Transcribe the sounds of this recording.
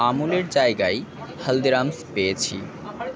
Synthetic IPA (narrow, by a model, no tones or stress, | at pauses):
amuleɾd͡ʑaeɡajhəld̪eɾamspejet͡ɕʰḭ